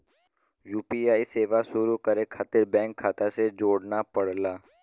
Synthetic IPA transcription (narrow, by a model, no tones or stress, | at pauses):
juːpiaːiseːʋasʊɾukəɾekʰaːt̪ɪɾbɛ̃ːŋkʰːaːt̪ased͡ʒoːɽnapəɽ̤laː